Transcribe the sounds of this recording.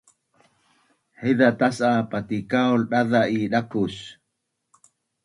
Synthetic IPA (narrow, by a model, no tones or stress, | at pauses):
ħeðat̪asapat̪ikaolɗaðaʔiɗakus